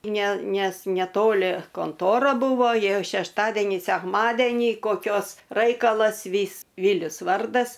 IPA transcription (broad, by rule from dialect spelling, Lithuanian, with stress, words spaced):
ˈnʲɛ ˈnʲɛs nʲɛˈtoːlʲɪ koːnˈtoːrɐ ˈbʊʋoː ˈjiɛ ʃʲɛʃˈtɑːdʲɛnʲiː sʲɛkˈmɑːdʲɛnʲiː koːˈkʲoːs ˈrɐɪkɐlˠɐs ˈʋʲiːs ˈʋʲiːlʲʊs ˈʋɐrdɐs